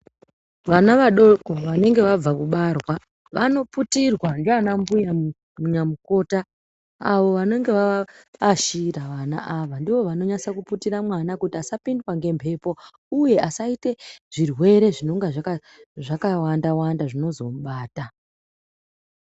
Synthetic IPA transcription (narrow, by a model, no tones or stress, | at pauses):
ʋanaʋaɗoko̞ʋane̞ŋɡe̞ʋab͡vakuɓarwa | ʋano̞putirwandoanambuja | muɲamuko̞ːta | aʋo̞ʋane̞ŋɡe̞ʋaː | ʃiɾaʋana̰ʔaʋandiʋo̞ʋano̞ɲasakuputiramwanakutiasapindwaŋɡe̞mpʰe̞po̞ | uje̞ʔasaite̞ʐ̥irwe̞ɾe̞ʐino̞ŋɡaʐaka | ʐakawandawandaʐino̞zo̞mɓaːta